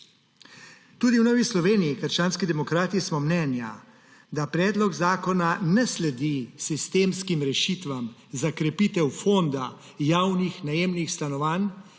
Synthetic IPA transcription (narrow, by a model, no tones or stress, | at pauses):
t̪uːd̪iwnɔːʋislɔʋeːniikəɾt͡ʃaːnskid̪ɛmɔkɾaːt̪ismɔmnɛnja̰ | d̪apɾɛːd̪lɔɡzaːkɔnanɛslɛd̪isist̪eːmskimɾɛʃit̪ʋamzakɾɛpiːt̪ɛwfond̪a | jaːwnixnajeːmnixst̪anɔʋaːn